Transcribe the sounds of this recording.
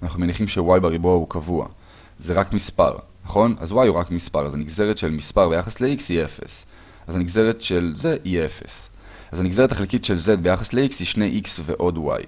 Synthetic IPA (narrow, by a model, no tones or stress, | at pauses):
anaχnume̞niχimʃewajbeʁibuaukavua̰ | zeʁakmispa̰ʁ | naχo̞na̰zwajuʁakmispaʁazaniɡze̞ʁetʃe̞lmispaʁbejaχasleiksie̞fḛs | azaniɡze̞ʁetʃe̞lze̞ʔie̞fe̞̰s | azaniɡze̞ʁetaχelkitʃe̞lze̞d̪̚be̞jaχasleikshiʃnejʔiksve̞ʔo̞dwa̰j